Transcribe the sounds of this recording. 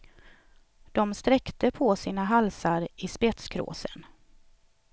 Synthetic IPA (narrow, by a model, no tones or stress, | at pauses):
d̪̥ɔmst̪ɾɛkt̪əpʰɔsiːnaɦalsaɾɪspɛt̪skʰɾo̰ːsə̰n